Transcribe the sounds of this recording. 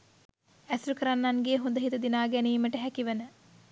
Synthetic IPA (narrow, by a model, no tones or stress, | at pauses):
æsɾukəɾanːaŋɡeːɦund̪əɦit̪ɐd̪inaːɡæniːməʈəɦækiʋənə